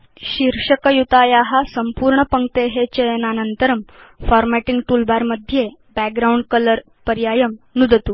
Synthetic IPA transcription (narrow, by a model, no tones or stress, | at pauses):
ɕiɾʂəkəjut̪ajaɦasəmpuːɾɳəpəŋɡt̪eɦet͡ɕejnanənt̪əɾəm | fɔɾmæʈiŋɡʈulbaɾməd̪ʱːje | bæk̚ɡɾauɳɖ̚kələɾ | pəɾjajəmnud̪ʱət̪u